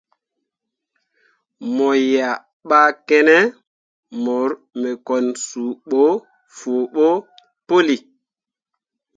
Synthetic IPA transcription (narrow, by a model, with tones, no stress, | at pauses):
mɔ˨ja˨ | ɓa˦kɛ˦nɛ˦ | mɔ˨ɾ | mɛ˨kɔ˨nsu˨ɓo˦ | fo˨ɓo˦ | po˦li˨